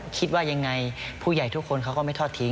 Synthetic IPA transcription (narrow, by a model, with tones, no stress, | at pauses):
kʰi˦˥t̪̚waː˥˩ja˧ŋːa˧jpʰuː˥˩ja˨˩jt̪ʰu˦˥kʰːo˧nkʰa˦˥wkɔː˥˩ma˥˩jt̪ʰɔː˥˩t̪ʰːi˦˥